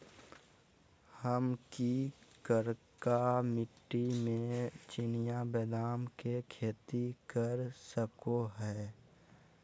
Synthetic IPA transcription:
həmkikəɾkamɪʈːimẽt͡ʃɪnɪjabɛːd̪aːmkekʰeːt̪ikəɾsəkoɦɛː

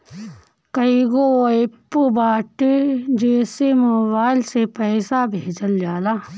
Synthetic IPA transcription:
kɐiɡoɪpːubaːʈd͡ʒeːsemoːbaːɪlsepɛːsabʱeːd͡ʒəld͡ʒaːlaː

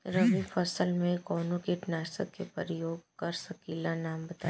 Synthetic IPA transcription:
ɾəʋifɐsəlmẽkɔːnõkiʈnaːsə̰kkepəɾɪjoːɡkɐɾsɐkiːlanaːmbɐt̪a

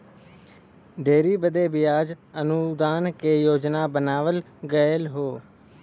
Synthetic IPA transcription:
ɖeːɾiːbəd̪eːbɪjaːd͡ʒənud̪aːnkeːjoːd͡ʒnaːbənaːʋəl | ɡəjəlɦoː

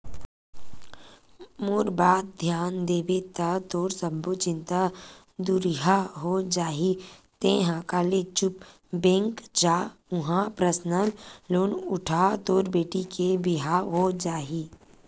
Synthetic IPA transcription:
moɾbaːt̪̚d̪ʱjaːnd̪eːbit̪at̪oːɾsəmbot͡ʃɪ̃nt̪a | d̪uɾiɦaɦod͡ʒaːɦit̪ẽːɦãkaːlet͡ʃʊp | bẽːŋkd͡ʒaːʊ̃ɦãpɾəsnəlloːnʊʈʰaːt̪oːɾbeːʈikebiɦaɦod͡ʒaːɦiː

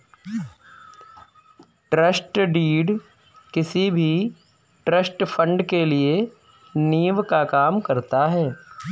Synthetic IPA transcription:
ʈɾəsʈɖiːɖ | kɪsibʱi | ʈɾəsʈfʰə̃ɳɖkelie | niːʋkakaːmkɐɾt̪aɦɛː

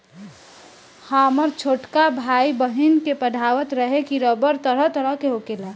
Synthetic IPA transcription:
haməɾt͡ʃʰoːʈkabʱaːibəɦinkepəɖʱaʋət̪ɾəɦekiɾəbəɾt̪əɾəɦt̪əɾəɦkeɦokela

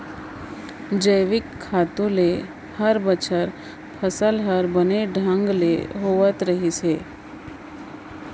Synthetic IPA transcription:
d͡ʒəjʋɪkʰːaːt̪ũle | həɾbət͡ʃʰəɾ | pʰəsəlɦəɾbəneɖʱə̃ŋɡlḛɦoʋət̪ɾəɦise

